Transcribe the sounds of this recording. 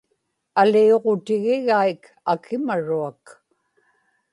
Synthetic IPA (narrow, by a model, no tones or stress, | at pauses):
alioʁot̪ɪɣɪɣaik | akʰɪmaɻuak